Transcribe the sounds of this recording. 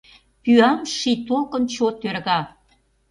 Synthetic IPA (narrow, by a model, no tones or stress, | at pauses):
pyɑmʃit̪olkənt͡ɕot̪ørɣɑ